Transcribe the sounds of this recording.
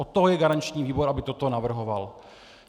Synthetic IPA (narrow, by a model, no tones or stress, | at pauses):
ot̪ːoɦojɛɡaɾant͡ʃɲiːviːbo̞ɾʔabɪt̪o̞t̪o̞navr̩ɦo̞val